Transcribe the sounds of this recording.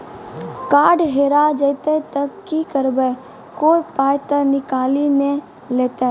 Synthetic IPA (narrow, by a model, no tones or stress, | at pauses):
kaːɖɦeːɾad͡ʒəːt̪et̪əkːikəɾbe | koːipaːjt̪ənɪkaːlinẽ | leːt̪e